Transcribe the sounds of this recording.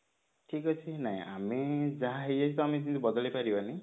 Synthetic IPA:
ʈʰikɔt͡ʃʰinaɦḭ̃ʔamed͡ʒaɦaɦejasʰit̪uamed͡ʒint̪ubɔd̪ɔlipaɾibani

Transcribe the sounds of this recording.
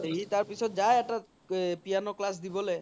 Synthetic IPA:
ɾit̪aɾpit͡ʃʰɔt̪̚d͡ʒaeɛʈa | pianoklas̬d̪ibɔle

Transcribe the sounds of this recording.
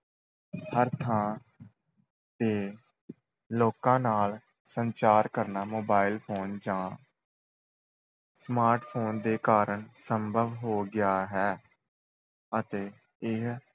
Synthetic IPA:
həɾt̪ʰãː | t̪eː | loːkãːnaːl | səɲt͡ʃaːɾkəɾnaːmoːbaːɪlpʰoːnd͡ʒãː | smaːɾʈpʰoːnd̪eːkaːɾəɳsəmbʱəʋɦoːɡɪjaːɦɛː | ət̪eː | ɪɦ

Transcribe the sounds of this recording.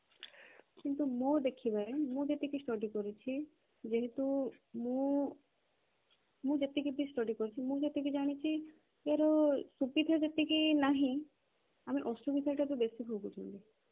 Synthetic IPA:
kint̪umõd̪ekʰibaɾemũd͡ʒet̪ekisʈɔʈikɔɾit͡ʃʰi | d͡ʒeɦet̪umũ | mũd͡ʒet̪ikid̪isʈɔɖikɔɾit͡ʃʰimũd͡ʒet̪ekid͡ʒaɽ̃it͡ʃʰi | eaɾɔsubid̪ʱaɾd͡ʒet̪ikinaɦĩ | amiʔɔsʈubid̪ʱaɾʈat̪ubesibʱoɡutʰṵnt̪i

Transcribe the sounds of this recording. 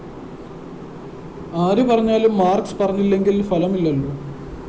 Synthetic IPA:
aːɾupɐrɐɲːaːlumːaːrkspɐrɐɲːilːe̞ŋɡilfɐlɐmilːɐlːu

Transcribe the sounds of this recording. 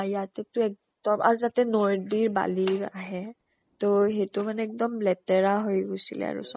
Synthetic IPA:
jatɛtʊɛk̚ | dɔma̰ɹutatɛnoɹdiɹba̰liɹaɦɛ | toɦetʊmanɛɛk̚dɔmlɛtɛɹaɦojɡojsilɛ̰a̰ɹṵs

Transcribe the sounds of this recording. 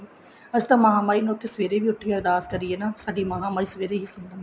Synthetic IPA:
əd͡ʒt̪ãːmaːɦãːmaːiːnoːt̪ʰːeːsəʋeːɾeːʋiːʊʈʰːɡɛːɾd̪aːskəɾieːnãːsaːɖiːmaːɦãːmaːiːsəʋeːɾeːɦiːsʊnd̪ənː

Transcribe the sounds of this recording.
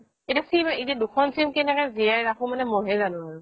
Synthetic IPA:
etiasimaidiɛdukʰɔnsimkɛnɛkɛzijajɾakumanɛmɔɦɛzanʊ̃aɹʊ

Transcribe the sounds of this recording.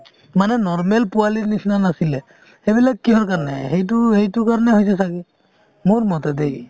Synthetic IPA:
manɛnɔɹmɛlpualinisnanasilɛ | hebilakːiɦɔɹkaɹɔnɛ̰hejt̬ʊhejtʊkaɹɔnɛɦojs̬ɛsakɛ | moɹmɔtɛdej

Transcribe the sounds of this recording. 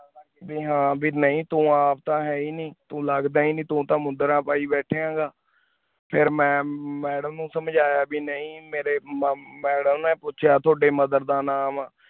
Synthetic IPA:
a | biːɦãːbʱiːnəĩːt̪ũːaːpt̪ãːɦɛːiːniːt̪ũːləɡd̪aːiːnĩːt̪ũːt̪ãːmʊnd̪əɾãːpaːiːbɛːʈʰːeːãːɡaː | pʰɪɾmɛ̃ːmɛːɖəmnũːsəmd͡ʒaːjaːbiːnəĩːmeːɾeːmɛːɽəmnẽːpʊːʃʰjaːt̪ʰʊoːɖeːməd̪əɾd̪aːnaːmaː

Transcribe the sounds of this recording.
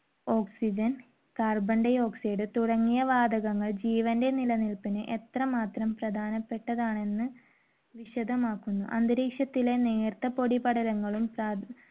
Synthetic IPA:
o̞ːksid͡ʑɐn | kaːrbɐɳɖɐjo̞ːksiɽɨt̪uɽɐŋːijɐʋaːd̪ɐɣɐŋːɐɭd͡ʑiːʋɐnde̞nilɐnilpinɨʔe̞t̪rɐmaːt̪rɐmprɐd̪ʱaːnɐpːe̞ʈːɐðaːɳe̞nːɨ | ʋiɕɐd̪ʱɐmaːkːunːṵʔɐnd̪ɨɾeːkʂjɐt̪ːile̞neːrt̪ːɐpo̞ɽipɐɽɐlɐŋːɐɭumpra

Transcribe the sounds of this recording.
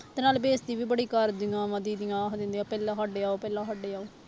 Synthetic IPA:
t̪eːnaːlbeːsd̪iːʋiːbəɽiːkəɾd̪ɪŋãːʋãːd̪iːd̪ɪŋãːkd̪ɪ̃nd̪ĩãːpɛːlãːɦɔɖeːaːoːpɛːlãːɦaɖeːaːoː

